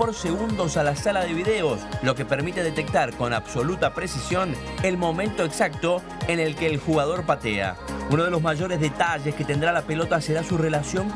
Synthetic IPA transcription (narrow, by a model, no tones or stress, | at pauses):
po̞ɾse̞ɣund̪o̞salasalaðe̞β̞iðeoslo̞kepeɾmit̪eðet̪e̞k̚t̪aɾko̞naβso̞lut̪apɾe̞sisjo̞n | elmo̞mẽnt̪o̞eksak̚t̪o̞ | enelkeːlxuɣað̞o̞ɾpat̪ea̰uno̞ð̞e̞lo̞zmaʒo̞ɾe̞zðet̪aʒesket̪end̪ɾalape̞lo̞t̪aseɾasure̞lasjo̞ŋ